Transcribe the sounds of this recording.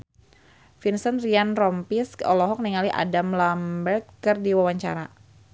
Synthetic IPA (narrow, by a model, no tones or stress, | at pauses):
finsənrianrɔmpiskɔlɔɦɔk̚niŋaliʔa̰damlambɛrkkːərdiwawaɲt͡ʃa̰ɾa